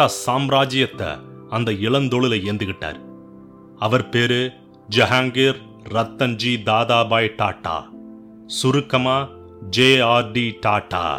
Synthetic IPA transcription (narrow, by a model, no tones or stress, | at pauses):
aːsaːmɾaːd͡ʒɪjɐt̪ːɐ̰ɐnd̪ɐɪɭɐnd̪ɔɭɪlɐɪeːnd̪ɯɣɪʈːa̰ːɾ | ɐʋɐɾpeːɾɯ | d͡ʒɐɦaːŋɡeːɾ | ɾɐt̪ːɐnd͡ʒiːd̪aːðaːbaːjʈa̰ːʈːa̰ː | sʊɾɯkːɐmaː | d͡ʒeːaːɾɖiʈaːʈːa̰ː